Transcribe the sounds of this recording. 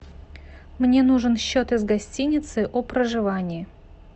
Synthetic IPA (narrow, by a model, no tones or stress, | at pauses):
mnʲe̞nuʐɨnɕːot̪ɪzɡɐsʲtʲinʲɪt̪sɨʔɔpɾəʐɨvanʲɪɪ